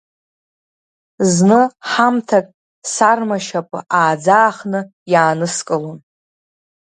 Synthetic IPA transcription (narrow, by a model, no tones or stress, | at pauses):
znɨħamtʰakʼ | sarmaʃapʼɨ̰ʔaːd͡zaːχnɨ | jaːnɨskʼɨlon